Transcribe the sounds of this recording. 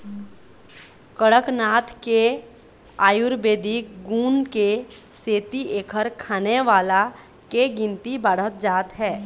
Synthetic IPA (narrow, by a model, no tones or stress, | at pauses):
kəɽəknaːt̪ʰke | aːjʊɾbeːd̪ʱikɡuːnkeseːt̪ieːkʰəɾkʰaːneʋaːla | keɡɪ̃nt̪ibaːɽ̤ət̪̚d͡ʒaːt̪ɦɛː